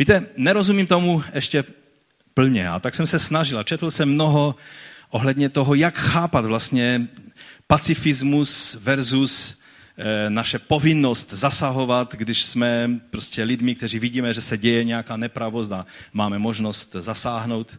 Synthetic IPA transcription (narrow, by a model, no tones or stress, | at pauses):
viːt̪ɛnɛɾozumimt̪omuɛʃcɛ | pl̩ɲɛ̰ʔa̰t̪aksɛmsɛsnaʒɪlat͡ʃɛt̪l̩sɛmːnoɦoʔoɦlɛd̪ɲɛt̪oɦojakxaːpad̪vlast̪ɲɛ | pat͡sɪfɪzmusvɛɾzus | naʃɛpovɪnːost̪zasaɦo̞vat̪ɡdɪʃsmɛpɾoscɛlɪd̪mɪk̚t̪ɛriːviɟiːmɛʒɛsɛɟɛjɛɲɛjakaːnɛpɾavos̬t̪amaːmɛmoʒno̞st̪zasaːɦno̞wt̪